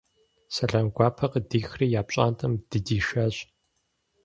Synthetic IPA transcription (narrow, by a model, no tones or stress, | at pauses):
sɐɬɐmɡʷɑːpʰɐqədiːxriːjaːpɕʼa̰ːntʼɐmd̥ɨdiːʃɐɕ